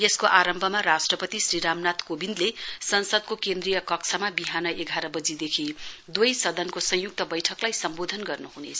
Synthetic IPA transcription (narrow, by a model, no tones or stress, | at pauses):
jeskoʔaɾʌmbʱʌmaɾasʈrʌpʌt̪isriɾamnat̪kobind̪lesʌnsʌd̪̚kokend̪rijʌkʌkt͡sʰʌmabiɦanʌʔeɡʱaɾʌbʌd͡zid̪ekʰid̪wujsʌd̪ʌnkosʌ̃juk̚t̪ʌbʌjʈʰʌklajsʌmbod̪ʱʌnɡʌrnuɦunḛt͡sʰʌ̥